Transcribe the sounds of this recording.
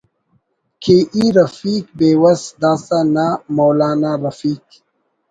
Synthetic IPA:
kʰeʔiɾɐfiːkbeːwɐsd̪aːsanamowlaːnaɾɐfiːk̚

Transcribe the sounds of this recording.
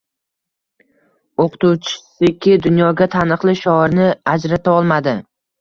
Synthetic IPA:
oqʰʊ̥t̪uwt͡ʃʰɪ̥sɪkʲʰɪd̪ʊnjɒɡʲat̪ʰanɨqlˠɪʃɒɾnɪad͡ʒɾat̪ʰaɒlˠmad̪ɪ

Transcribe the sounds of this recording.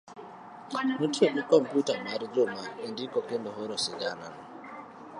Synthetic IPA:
m̩tʰueʔikɔm̩putamaɾid͡ʒomaendikɔkɪndɔɦɔɾɔsɪɡanana

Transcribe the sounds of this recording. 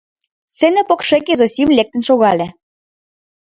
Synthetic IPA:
senĕpokʃĕkezosʲimlʲek̚t̪ə̆nʃoɣɑlʲĕ

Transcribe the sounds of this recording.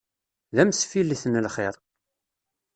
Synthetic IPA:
ðæmsfilːiθnəlχɪɾˤ

